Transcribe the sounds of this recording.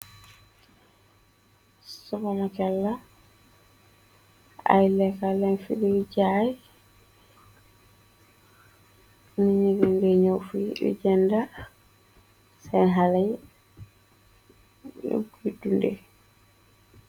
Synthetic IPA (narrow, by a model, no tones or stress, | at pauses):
sɔbanakɛlːa | a̰jlɛkalɛnfiɗiid͡ʒaj | miɲiɡɛnɡɛɲowfuɗɛ̰d͡ʒɛnda | sanɦalaj | ɡidundɛ̰